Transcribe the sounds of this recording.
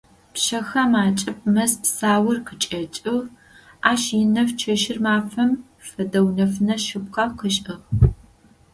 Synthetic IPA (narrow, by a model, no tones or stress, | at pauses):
pʃɐxɐmaːt͡ʃʼɪp̚mɐspsaːwɐrqʰət͡ʃʼɐt͡ʃʼɨʁ | aːʃɪnɐft͡ʃʰɐʃɪrmaːfɐm | fɐdɐwnɐfnɐʃɨp̚qɐqəʃʼɨʁ